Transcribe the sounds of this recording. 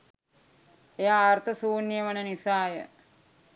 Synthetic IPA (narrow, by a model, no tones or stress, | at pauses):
ejaːrt̪əsuːnːjəʋənənisaːjə̰